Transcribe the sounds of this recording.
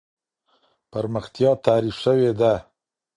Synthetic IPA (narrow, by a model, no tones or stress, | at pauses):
pəɾməxt̪jɑt̪ɑɾifʃəwed̪a